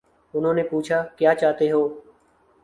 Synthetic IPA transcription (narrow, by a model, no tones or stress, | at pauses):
ʊnɦõːneːpuːt͡ʃʰaːkjaːt͡ʃaːt̪eːɦoː